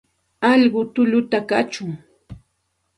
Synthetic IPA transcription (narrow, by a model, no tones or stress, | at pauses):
ɑʎɢʊt̪ʊʎʊt̪akat͡ʃʊŋ